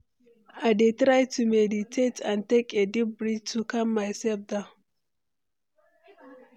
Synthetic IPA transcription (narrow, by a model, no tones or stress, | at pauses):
ʔadetɾajtumeditʰetantɛkʼedibɾid͡ʒtukamːajsɛb̚d̪a